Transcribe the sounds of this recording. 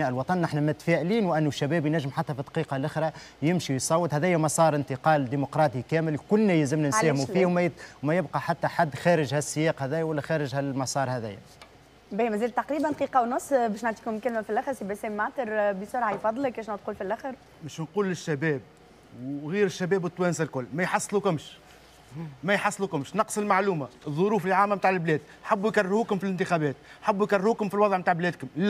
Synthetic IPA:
æːʔɪlwɑt̪ˤɑnːʔaħnæmæt̪fæːʔliːnwʔænːuʃːæbæːbjnæʒːəmħat̪ːæfid̪ˤqiːqɑlʔɪxɾˤɑjɪmʃijsˤɑwːət̪hæðæːjæmɑsˤɑːɾˤɪnt̪əqɑːld̪imʊqɾˤɑːt̪ˤikæːmɪlkʊlnæjɪzɪmnænsæːhmufiːhwmwmæjɪbqɑħat̪ːæħad̪ːxæːɾɪʒhæsːɪjɑːqhæðæːjæwælːæxæːɾɪʒhælmɑsˤɑːɾˤhæðæ̰jæ̰ | bæhmæziːlt̪ːaqɾiːbænˤqiːqɑwnʊsˤːbɛːʃnaʕt̪iːkʊmlkælmæfilʔæxɾsibæsɛːmːaʕt̪əɾbəsʊɾʕajfɑd̪ˤːlək̚bɛːʃnaʕd̪̚quːlfilʔæxəɾ | bɛʃnquːlɪʃːæbɛːb̚ | wɣiːɾɪʃːæbɛːbwət̪ːwɛːnsɪlkʊlːmæjħɑsˤːlukʊmʃ | mæjħɑsˤːlukʊmʃnɑqsˤɪlmaʕluːmaðˤːʊɾuːflʕaːmːæmt̪aːʕɪlblɛːd̪ | ħabːujkarːɪɾhukʊmfilɪnt̪ɪxæbɛːt̪ħabːujkarɪhukʊmfilwɑðˤʕmt̪aʕblɛːd̪kʊml

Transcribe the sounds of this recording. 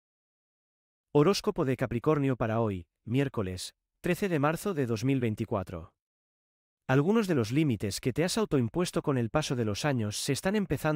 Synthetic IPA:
oɾo̞sko̞po̞ð̞e̞kapɾiko̞ɾnjopaɾao̞j | mje̞ɾko̞le̞s | t̪ɾeθe̞ðe̞maɾθo̞ðe̞ð̞o̞zmilβe̞jnt̪ikwat̪ɾo̞̰ | alɣ̞uno̞zðe̞lo̞zlimit̪e̞ske̞t̪e̞asawt̪oimpwe̞st̪o̞ko̞ne̞lpaso̞ð̞e̞lo̞saɲo̞sːe̞st̪ane̞mpe̞θa

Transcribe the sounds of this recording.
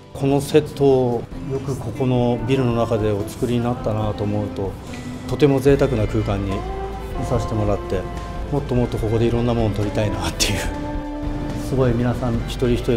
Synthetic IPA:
kʰo̞no̞se̞t̪ːo̞ː | jo̞kɯ̟kʰo̞ko̞no̞bʲiɾɯ̟no̞nakad̪e̞ot͡sɨ̥kɯ̟ɾʲiɲ̟inat̪ːanat̪o̞ːmo̞ɯ̟t̪o̞ | t̪o̞t̪e̞mo̞ze̞ːt̪akɯ̟nakɯ̟ːkãɲ̟ːi | mesaɕi̥t̪e̞mo̞ɾat̪ːe̞ | mo̞t̪ːo̞mo̞t̪ːo̞ko̞ko̞d̪e̞iɾõ̞nːamo̞nːt̪o̞ɾʲit̪ainat̪ːe̞jɯ̟ | sɨɡo̞imʲinasãŋçi̥t̪o̞ɾʲiçi̥t̪o̞ɾʲi

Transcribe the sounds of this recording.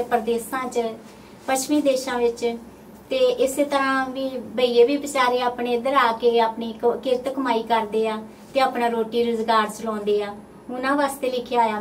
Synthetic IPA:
pəɾəd̪eːsãːt͡ʃ | pəʃmiːd̪eːʃãːʋɪt͡ʃ | t̪eːʔɪseːt̪əɾãːʋiːbəiːeːʋiːbɪt͡ʃaːɾeːaːpɳeːd̪əɾaːkeːaːpɳiːkɪɾt̪kəmaːiːkəɾd̪eːaː | t̪eːaːpɳãːɾoːʈiːɾʊzɡaːɾt͡ʃəlɔ̃ːnd̪eːaː | ʊnãːʋaːst̪eːlɪkʰjaːjaː

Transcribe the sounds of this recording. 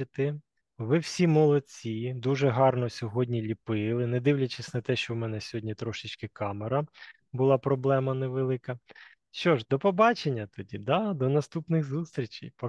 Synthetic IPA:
ɪt̪ɪ | ʋɪwsʲimɔlˠɔt͡sʲid̪uʒɛɦɑrnɔsʲɔɦɔdʲnʲilʲipɪlˠɪnɛd̪ɪwlʲɐt͡ʃɪsʲnɐt̪ɛʃt͡ʃɔwmɛnɛsʲɦɔdʲnʲit̪ɾɔʃɪt͡ʃkɪkɑmeɾɐ | bʊlˠɑpɾɔblˠɛmɐnɛʋelˠɪkɐ | ʃt͡ʃɔʒd̪ɔpɔbɑt͡ʃenʲːɐt̪ɔdʲid̪ɑd̪ɔnɐst̪upnɪɣzust̪ɾʲit͡ʃijpɔ

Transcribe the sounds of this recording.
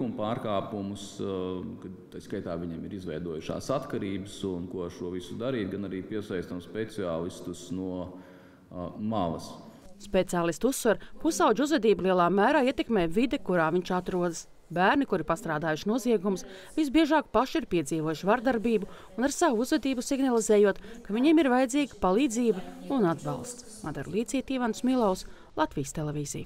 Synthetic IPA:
umpaːɾkaːpumuskat̪ajskajt̪aːʋʲiɲiɛmiɾizʋɛjd̪uɔjuʃa̰ːsat̪kaɾiːbəsunkuɔʃuɔʋisud̪aɾiːt̪̚ɡanaɾiːpiɛsajst̪amspet̪siaːlˠist̪usnuɔ | malˠɐ̰s | spet̪siaːlˠist̪usːʋaɾpusawd͡ʒuzvɛd̪iːblˠiɛlˠaːmæːɾaːiɛt̪ekmeːjvid̪ekuɾaːviɲt͡ʃat̪ɾuɔd̪əs | bæːɾnikuɾɪpast̪ɾaːd̪aːjuʃnuɔziɛɡumus | visbiɛʒɑːkpaʃiɾpiɛd̪ziːvoɔjuʃvaɾd̪aɾbiːbu | unaɾsavuuzvɛd̪iːbusiɡnalˠizeːjuɔt̪kaviɲiɛmiɾvajɛd̪ziːɡəpalˠiːd̪ziːbɐunad̪bɑ̰lˠst̪smad̪ɛɾlˠiːt̪siːt̪iːvansmilˠaws | lˠat̪viːjst̪elɛvʲiːzḭj

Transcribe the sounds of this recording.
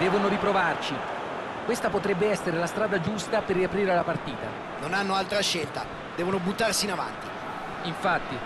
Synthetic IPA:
d̪ɛːvonoɾipɾovart͡ʃi | kwest̪apot̪ɾɛbːeɛsːeɾelast̪ɾaːd̪ad͡ʒust̪aperːiapɾiːɾelapart̪iːt̪a̰ | nonanːoalt̪ɾaʃːelt̪a̰ | d̪ɛːvonobut̪ːarsiːnava̰nt̪i | iɱfat̪ːi

